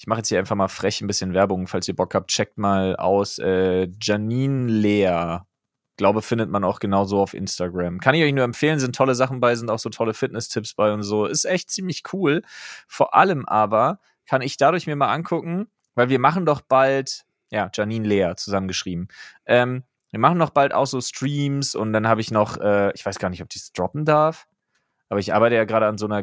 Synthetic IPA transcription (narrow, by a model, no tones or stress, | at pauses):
ʔɪçmaχjɛt͡shiːaɪnfaχmaːlfʁ̥ɛçn̩bɪsçənvɛɐbʊŋfalsiːɐbɔkhaːp̚t̚t͡ʃɛk̚tmaːlʔa̰ʊsʔɛːd͡ʒɛniːnleːɐ | ɡ̥laʊbəfɪndətmanaʊxɡ̥ənaʊzoːaʊfʔɪ̰nstaɡʁamkʰanɪçɔʏçnuːɐɛmfeːlənzɪntʰɔləzaχn̩baɪzɪntaʊxz̥oːtʰɔləfɪtnɛstʰɪpsb̥aɪʊntz̥oːɪstʔɛçt̚t͡siːmlɪçkʰuːlfoːɐʔa̰ləmʔaːbɐ | kʰanɪçd̥adʊɐçmiɐmaːlʔa̰nkʰʊkŋ̩ | vaɪlviːɐmaχn̩dɔχb̥alt | jaːd͡ʒaɐniːnleːɐt͡suzamənɡəʃʁ̥iːbm̩ʔɛːm | viːɐmaχn̩dɔχb̥alta̰ʊxz̥oːstʁ̥iːmsʊ̰nt̚d̥anhaːbəɪçnɔχʔɛːʔɪçv̥aɪsɡ̥aːɐnɪçtɔp̚d̥iːsd̥ʁɔpm̩daɐf | ʔaːbɐɪçʔa̰ɐbaɪtəjaːɡʁaːɾəanzoːnɐ